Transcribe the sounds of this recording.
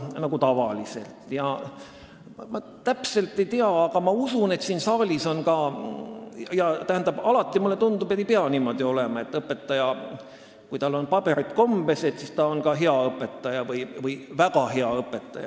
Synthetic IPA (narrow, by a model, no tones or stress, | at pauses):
nɑɡut̪ɑvɑ̰lise̞̰lt̪ˑjɑ | mɑ | t̪æpse̞lt̪ːˑe̞jt̪iɑɑɡ̥ɑmɑusune̞t̪siːnsɑːlʲiso̞nkɑ | jɑt̪æɦænd̪ɑb̥ɑlɑt̪ːˑimulːet̪und̪upeejpeɑniːmo̞d̪̥io̞le̞mɑe̞t̪ːˑɤpːˑet̪ːˑɑjɑ | kujt̪ɑlːo̞npɑbe̞ɾit̪ˑko̞mbe̞se̞t̪sist̪ɑonkɑɦeɑɤpːˑe̞t̪ːˑɑjɑvɯjvɯjvæɡɑɦeɑɤpːˑe̞t̪ːˑɑ̰jɑ̰